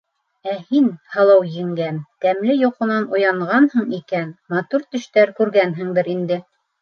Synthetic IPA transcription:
æhinhɑlˠɑwɘ̆ŋɡænt̪æmlɘjŏqɤ̆nɑnujɑɴʁɑnhɤɴikænmɑt̪uɾt̪ɵ̆ʃt̪æɾkʉɾɡænɦɘŋd̪ɘɾind̪ɘ

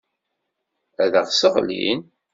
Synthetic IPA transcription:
æðəʁsəʁlḭn

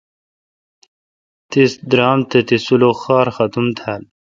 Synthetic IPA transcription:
t̪isd̪ɾɑːmt̪et̪isuloxɑːɾxɐt̪umt̪ʰal

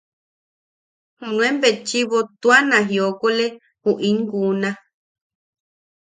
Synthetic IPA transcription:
hũnũẽmbet͡ʃiβot̪uanãɦiokole | huʔĩŋɡunã

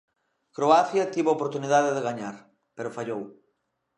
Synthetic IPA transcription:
kɾoaθjɐt̪iβopoɾt̪uniðaðeðeɣaɲaɾ | peɾofaʎow

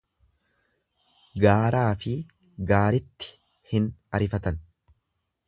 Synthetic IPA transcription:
ɡaːɾaːfɪ | ɡaːɾɪt̪ːɪ̥ | hɪnɐɾɪfɐt̪ɐn

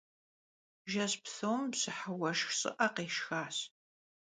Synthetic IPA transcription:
ʒɐspθowmsɨħəwɐʃxɕʼɨ̰ʔɐqeːʃxaːs

